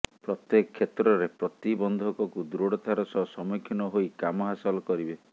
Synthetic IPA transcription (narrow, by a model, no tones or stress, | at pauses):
pɾɔt̪jekɔkʰːet̪ɾɔɾepɾɔt̪ibɔnd̪ʱɔkɔkud̪ɾoɽɔt̪ʰaɾɔsɔsɔmikʰːɔnɔɦojkamɔɦasɔlɔkɔɾibe